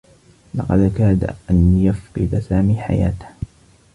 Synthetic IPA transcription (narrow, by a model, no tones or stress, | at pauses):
lɑqɑd̪ʔakaːd̪ʔanjafqɨd̪asaːmiːħa̰jaːt̪ḁh